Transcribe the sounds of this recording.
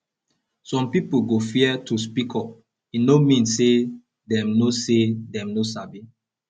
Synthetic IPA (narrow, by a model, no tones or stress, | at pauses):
sɔ̃mpipuɡofiɛtuspikʰɔp | inomĩnsːe | dɛ̃mnosedɛ̃mnosabi